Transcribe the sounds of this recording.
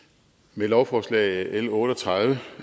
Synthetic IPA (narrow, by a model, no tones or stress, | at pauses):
melɒʊfɒːslɛ̰ːɪelɔ̽ːdɾəɒt͡sʰʁɑðˠʋə